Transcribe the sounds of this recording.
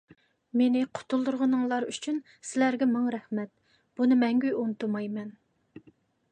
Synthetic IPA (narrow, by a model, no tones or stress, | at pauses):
menɪqʰʊ̥t̪ʰulˠd̪uɾʁənɨŋlˠɑɾyt͡ʃʰyn | sɪlæɾɡʲɛmɑŋɾɛhmɛt̪̚ | b̥unɨmɛŋɡʲyjonɨt̪umɑjmɛn